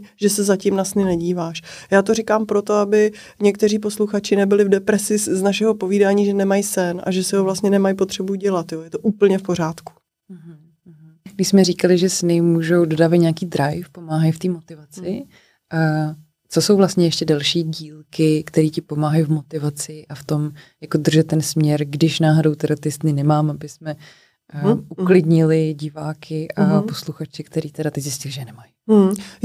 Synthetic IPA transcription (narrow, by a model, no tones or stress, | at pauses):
ʒ̥ɛsɛzacimnasnɪnɛɟiːvaːʃjaːt̪o̞rɪkaːmpɾo̞t̪o̞abɪ | ɲɛkt̪ɛr̝iːp̬o̞sluxat͡ʃɪnɛbɪlɪvdɛpɾɛsɪznaʃɛɦo̞po̞viːdaːɲiːʒɛnɛmajsɛnʔa̰ʒɛsɪɦovlast̪ɲɛnɛmajpo̞t̪r̝̥ɛbuɟɛlat̪joːjɛt̪oʔuːpl̩ɲɛfpo̞ɾ̝aːt̪ku̥ | ɦ̩ | ɡdɪʃsmɛɾiːkalɪʒɛsnɪmuːʒowdodaːvat̪ɲɛakiːd̪ɾajfpomaːɦajft̪iːmot̪ɪvat͡sɪ | ʔa | t͡soso̞wvlast̪ɲɛjɛʃcɛdɛlʃiːɟiːlkɪkt̪ɛɾiːcɪpo̞maːɦajvmo̞t̪ɪvat͡sɪʔaft̪o̞mjako̞d̪r̩ʒɛt̪ːɛnsmɲɛɾɡdɪʃnaːɦodowt̪ɛɾat̪ɪsnɪnɛmaːmʔabɪsmɛ | ʔuuklɪdɲɪlɪɟɪvaːkʰɪʔapo̞sluxat͡ʃɪkt̪ɛɾiːt̪ɛɾat̪ɪzjɪscɪlɪʒɛjnɛmaj